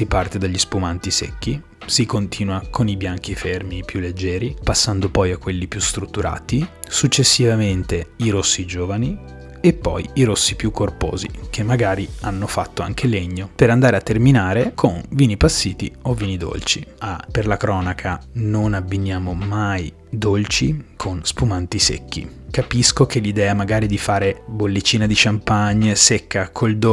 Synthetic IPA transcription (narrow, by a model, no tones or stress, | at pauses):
sipart̪ed̪aʎːispumant̪isḛkːi | sikont̪ʰiːnwakʰonibjaŋk̟ifermipjulːed͡ʒːɛːɾipasːand̪opɔjakːwelːipjust̪ɾut̪ːuɾa̰ːt̪isut͡ʃːesːivament̪eiɾosːid͡ʒoːvani | epːɔ̰jiɾosːipjukʰːorpo̰ːzḭk̟ʰemːaɡaːɾianːofat̪ːoa̰ŋk̟ʰeleɲːopeɾand̪aːɾeat̪ːerminaːɾekʰonviːnipasːiːt̪ḭovːiːnid̪o̰lt͡ʃḭaperlakɾɔːnakʰanonabːinːjaːmomaj | d̪olt͡ʃikʰonspumant̪isḛkːḭkapiskok̟elid̪ɛːamaɡaːɾid̪ifaːɾebolːet͡ʃːiːnad̪it͡ʃampaɲːesekːakʰold̪o